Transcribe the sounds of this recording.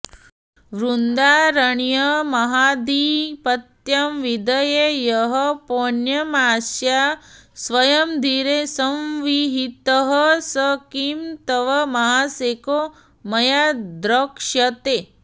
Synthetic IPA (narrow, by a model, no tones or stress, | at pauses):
ʋɾund̪aːɾɐɳjɐmɐɦaːd̪iːpɐt̪jɐmʋid̪ɐjejɐɦəponjɐmaːsjasʋɐjɐmd̪ʱiɾesɐmʋiɦit̪əɦəsəkimt̪ɐʋɐmɐɦaseːko | mɐjad̪ɾɐkʂɐt̪e